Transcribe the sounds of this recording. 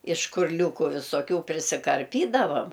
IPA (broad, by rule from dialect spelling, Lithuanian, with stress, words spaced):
ɪʃ ʃkʊrʲˈlʲuːkuː ʋʲɪsoːˈkʲuː pʲrʲɪsʲɪkɐrʲˈpʲiːdɐʋɐm